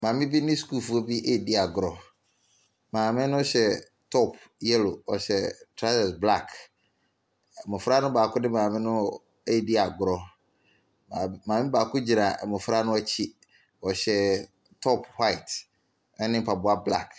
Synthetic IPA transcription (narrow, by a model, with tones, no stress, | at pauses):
mãː˨mɪ̃˦bi˦nɪ̃˦sku˦˨fɔ˦bi˦ʔe˦˨di˦a˨ɡɾɔ˨ | mãː˨mɪ̃˦nʊ̃˦ɕɛ˨ | tʰɔ˦pʰ | jɛ˦lo˨ɔ˨ɕɛ˨tʰɾa˦lɛ˨sbla˦˨k | mʊ̃˨fɾa˦nʊ̃˦baː˨kʰʊ˦dɪ˦mãː˨mɪ̃˦nʊ̃˦ | e˦˨di˦a˨ɡɾɔ˨ | a˨mãː˨mɪ̃˦baː˨kʰʊ˦d͡ʑi˨a˨mʊ̃˨fɾa˦nʊ̃˦a˦t͡ɕʰi˦ | ɔ˨ɕɛ˨ | tʰɔ˦pʰha˦i˨t | ɛ˦nɪ̃˦m̩˦pʰa˨bʊ˦a˦bla̰˦˨k